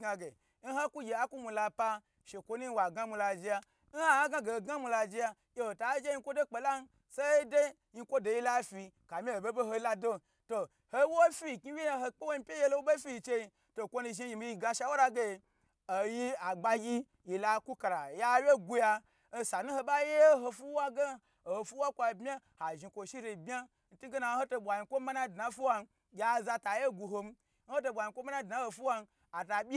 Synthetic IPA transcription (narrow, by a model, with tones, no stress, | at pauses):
ɡa˧ɡe˨ | n̩˦ɦo˦ku˦ɡʲe˨a˦ku˦mu˧la˧pa˧ | ʃe˨kʷo˧nu˦wa˨ɡa˦mu˧la˧˨d͡ʒi˧ja˧ | n̩˦ha˦a˦ɡa˧ɡe˨o˨ɡa˦mu˧la˧d͡ʒi˧ja˧ | je˨ho˨ta˨˦d͡ʒe˦i˧˦kʷo˦do˦k͡pe˨la˦n˦ | se˦de˦ | ji˧kʷo˦do˨ji˦la˦fi˧ka˨mʲi˦o˨be˦bo˦ɦo˧˦la˧do˦ | to˧ | ho˦wo˦fi˦˨ki˦wʲe˦ja˧ɦo˧k͡pe˦wo˦˧˦pʲe˦je˦lo˦wu˦ɓe˦fi˦i˧t͡ʃe˧ji˧ | to˧˨kʷo˦nu˧ʒi˧˦ji˧˨mi˧˦i˧ɡa˧ʃa˧˦wo˦ɾa˧ɡe˦˨ | o˨ji˦a˨ɡ͡ba˧ɡʲi˦ | ji˨la˨ku˦ka˨ɾa˨ja˦wje˦ɡu˧ja˧ | o˧sa˨nu˦ho˧ɓa˦je˦ɦo˧fu˦wa˦ɡa˦ | o˨ho˨fu˦a˦kʷa˧˨bmʲa˦ha˨ʒi˧kʷo˨ʃi˦ɾe˧˨bʲa˦ | n̩˦tu˦ɡe˦na˧˦ho˦to˧ɓʷa˨ji˧kʷo˦ma˦na˦˨dna˨˦fu˦wa˧n˦ | ɡʲa˨za˧ta˨je˦ɡu˧ɦo˧m̩˦ | n̩˦ho˦to˧ɓʷa˨ji˧˨kʷo˦ma˦na˦˨dna˨˦ho˧fu˦wa˧n˦ | a˨ta˨bʲi˦